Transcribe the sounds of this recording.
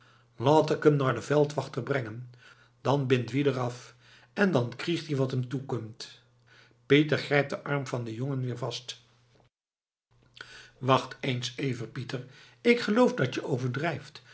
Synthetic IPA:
laːtɪkɦəmnaːɹdəvɛlˠtʋɑχtərbrɛŋən | d̥ɑnbɪntʋidərɑf | ɛndɑnkriχtɦiʋɑtəmtukɔmt | petərχrɛjp̚dəʔɑɹmvɑndəjoŋənʋɪːɹvɑst | ʋɑχtejnsejvərpitəɹ | ɪkχəlowfdɑtəʔowvəɹdrɛjft

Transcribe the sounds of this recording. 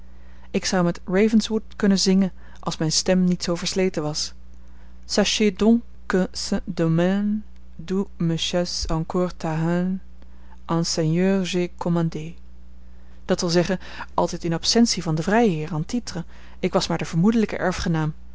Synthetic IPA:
ɪksɑwmɛtɹejvənsʋutkɵnəzɪŋən | ʔɑ̰lˠsmɛjnstɛmnitsowvəɹslejtəʋɑs | saʃedɔ̃ŋ | kəsədomɛn | duməʃɛsɑ̃ŋkɔːɹtaɦan | ʔɑ̃nsɛnjøːɹʒekʰɔmɑnde | d̥ɑtʋɪlˠzɛχən | ʔɑlˠtɛjtɪnɑpsɛnsivɑndəvrɛjɦɪːɹaːntitrə | ɪkʋɑsmaːɹdəv̥əɹmudələkə̰ʔɛɹfχənaːm

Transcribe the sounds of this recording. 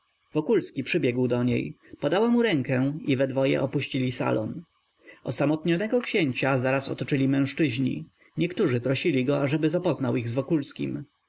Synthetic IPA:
vɔkulskʲipʂɘbʲjɛɡwd̪ɔɲḛjpɔd̪awamuɾɛŋkɛivɛd̪vɔjɛ̰ʔɔpuɕt͡ɕilʲisa̰lɔ̰n | ɔ̰samɔt̪ɲɔnɛɡɔkɕeɲt͡ɕazaɾasɔ̰t̪ɔt͡ʂɘlʲimɛ̃w̃ʂt͡ʂɘʑɲḭ | ɲɛkt̪uʐɘpɾɔɕilʲiɡɔaʐɛbɘzapɔznawʔiɣzvɔkulskʲḭm

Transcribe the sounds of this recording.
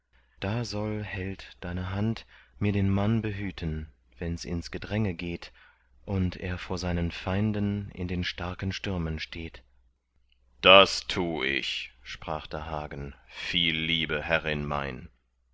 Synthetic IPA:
d̥aːzɔlhɛltd̥aɪnəɦantmiːɐɾeːnmanbəɦyːtʰən | v̥ɛnsɪ̰nsɡ̥ədʁɛŋəɡeːt | ʔʊntʰḛːɐfoːɐzaɪnənfaɪndənɪ̰ndeːnʃtaɐkn̩ʃtʏɐmənʃtʰeːt | d̥astʰuːɪ̰çʃpʁ̥aːχd̥ɛɐɦaːɡən̩fiːlːiːbəhɛʁɪnma̰ɪn

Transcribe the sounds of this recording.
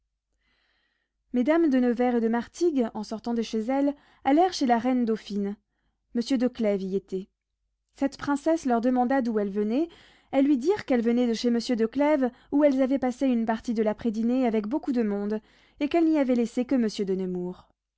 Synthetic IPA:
med̪amd̪ənɔvɛʁed̪əmaʁt̪iɡɑ̃sɔʁt̪ɑ̃d̪əʃezɛl | alɛʁʃelaʁɛnd̪ofin | məsjød̪əklɛviet̪ɛ | sɛt̪pχɛ̃sɛslœʁd̪əmɑ̃d̪ad̪uɛlvənɛ | ɛlːɥid̪iʁkɛlvənɛd̪əʃeməsjød̪əklɛv | uɛlzavɛpaseynpaʁt̪id̪əlapχed̪ineavɛkbokud̪əmɔ̃d̪ | ekɛlniavɛlesekəməsjød̪ənəmuːʁ

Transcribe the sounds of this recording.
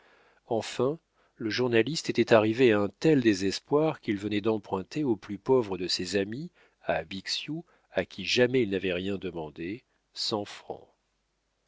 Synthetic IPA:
ɑ̃fɛ̃ | ləʒuʁnalist̪et̪ɛt̪aʁiveaɛ̃t̪ɛld̪ezɛspwaʁkilvənɛd̪ɑ̃pχɛ̃t̪ʰeoplypɔvʁəd̪əsɛzami | abiksju | akʲiʒamɛilnavɛʁjɛ̃d̪əmɑ̃d̪e | sɑ̃fχɑ̰̃

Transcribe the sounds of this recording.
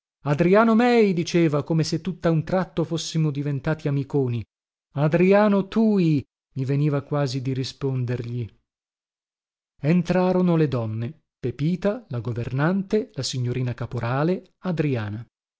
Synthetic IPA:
ad̪ɾiaːnomɛjd̪it͡ʃeːvakomeset̪ːut̪ːaunt̪ɾat̪ːofosːimod̪ivent̪aːt̪iamikoːni | ad̪ɾiaːnot̪uːi | miveniːvakwaːzid̪iɾispond̪erʎi | ent̪ɾaːɾonoled̪ɔnːe | pepiːt̪alaɡovernant̪elasiɲːoɾiːnakapoɾʔaːle | ad̪ɾiaːna

